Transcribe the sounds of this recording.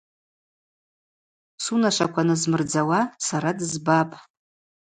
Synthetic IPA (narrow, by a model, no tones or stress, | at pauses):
sunaʃʷakʷʰanɨzmɨrd͡zawasaɾadɨzbapʼ